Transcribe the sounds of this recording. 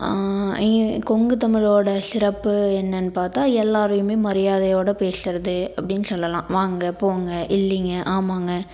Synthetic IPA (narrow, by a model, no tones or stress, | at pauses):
kɔŋɡɯt̪ɐmɪɭoːɽɐsɪɾɐpːɯɛnːɐnːɯpaːɾt̪aːɛlːaːɾɯjɯmeːmɐɾɪjaːðɐjoːɽɐpeːsɪɾɐðɯɐpːɐɽɪnːɯsɔlːɐlã̰ːʋaːŋɡɐpoːŋɡɐʔɪlːɪŋɡɐʔaːmaːŋɡɐ